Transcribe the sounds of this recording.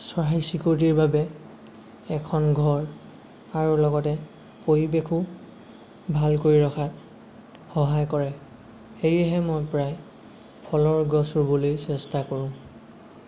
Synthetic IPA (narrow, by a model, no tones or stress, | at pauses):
sɔɹajsikoɹt̬iɹbabɛ | ɛkʰɔnɡʱɔɹ | aɹulɔɡɔtɛ | poɹibekʰʊ | bʱalkoɹiɹɔkʰat | xɔɦajkɔɹɛ | xejɛɦɛmojpɹaj | pʰɔlɔɹɡɔsuɹbolojsɛstakoɹʊ̃